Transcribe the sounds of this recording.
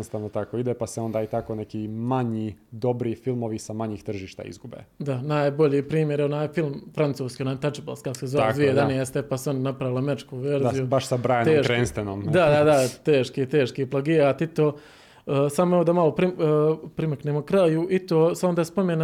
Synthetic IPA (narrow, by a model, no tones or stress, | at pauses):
ost̪aʋnot̪akoid̪epaseond̪aːit̪akonekiːmaɲiːd̪o̞bɾifilmoʋisamaɲiːxt̪r̩ʒiːʃt̪a̰ːḭzɡubḛd̪anaːjbo̞ʎiːpɾiːmjeɾonaːjefilˠmfɾant̪suːskionaːjt̪at͡ʃibolskakosezold̪ʋied̪anijest̪epaseond̪anapɾaʋilameɾit͡ʃkuʋeɾzijubaʃsabɾaːjenoeːkɾeːnst̪enomd̪ad̪ad̪at̪eːʃkit̪eːʃkiplˠaɡiɾaːt̪it̪oː | samoeod̪amalˠopɾipɾimakneːmokɾajuʔit̪oːseond̪aːspomen